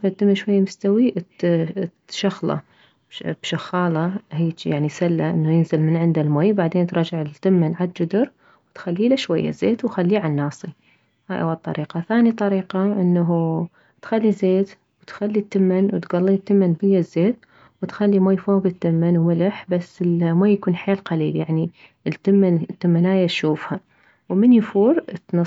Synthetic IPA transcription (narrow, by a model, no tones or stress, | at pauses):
fat̪ːɪmːɪnʃwajːamʊst̪awiʔ | ʃɑxlɑ̰ | b̥ʃaxɑːlɑhiːjaʕnisalːaʔɪnːajɪnzɪlmɪnʕɪnd̪almoːjbaʕd̪eːnt̪ɾˤɑd͡ʒɪʕɪlt̪ːɪmːɪnʕad̪̚d͡ʒʊd̪ɪɾ | wt̪xalːiːlaʃwajːa̰zeːt̪wxalːiːʕanːɑːsˤi | haːjʔa̰wːalt̪ˤːɑ̰ɾiːqɑθaːnit̪ˤɑɾiːqɑʔɪnːaɦu | t̪xalːizeːt̪ | wɪt̪xalːit̪ːɪmːɪnwɪt̪ɡɑlˤːit̪ːɪmːanbɪjːazːeːt̪ | wɪt̪xalːimoːjfoːɡɪt̪ːɪmːanwmɪlɪħbasːɪlmoːjːakuːnħeːlqɑliːljaʕni | lt̪ːɪmːant̪ːɪmːanaːjaʃuːfha | wmɪnjfuːɾt̪nɨ